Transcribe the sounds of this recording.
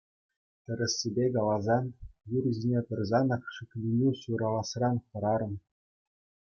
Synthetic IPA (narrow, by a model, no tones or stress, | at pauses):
t̪ʲɘ̆ɾʲɘ̆sʲːibʲekɑlˠɑzɑnjurzʲinʲepʲɘ̆rʲzɑnɑkʂɘ̆klʲinʲiɕuɾɑlˠɑsrɑnχɤ̆ɾɑɾɤ̆m